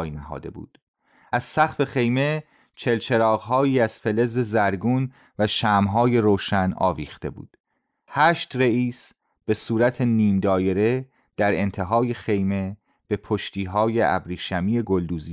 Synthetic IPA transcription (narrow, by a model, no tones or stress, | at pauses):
jnæɦɒ̰ːd̪e̞̰bṵːd̪̥ | ʔæz̥sæχfe̞χe̞jme̞ | t͡ʃʰe̞lt͡ʃʰe̞ɾɒːɣɦɒːjiːæz̥fe̞le̞ze̞zæɾɡuːn | væʃæːmɦɒːje̞ɾoːʃænɒ̰ːviːxt̪e̞̰bṵːd̪̥ | hæːʃt̪reiːs | b̥e̞suːɾæt̪ʰe̞niːmd̪ɒːje̞ɾe̞ | d̪̥æɾe̞nt̪ʰe̞ɦɒːje̞xe̞jme̞ | b̥e̞pʰoʃt̪ʰiːɦɒːje̞ʔæ̰bɾiːʃæmiːe̞ɡold̪uːzi